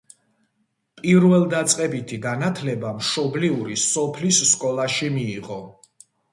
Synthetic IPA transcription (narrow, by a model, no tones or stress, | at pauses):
pʼiɾvɛlˠd̪at̪sʼqʼɛbit̪ʰiɡanat̪ʰlɛbamʃɔbliuɾisɔpʰlisːkʼɔlˠaʃimiːʁɔ